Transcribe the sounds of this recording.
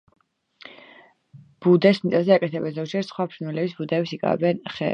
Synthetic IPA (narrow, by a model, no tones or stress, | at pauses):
b̥ud̪ɛsnit̪ʼazɛakʼɛt̪ʰɛbɛnzɔkd͡ʒʰɛɾsχwapʰɾnwɛlɛbisbud̪ɛːpsikʼa̰ɛ̰bɛnχɛ̰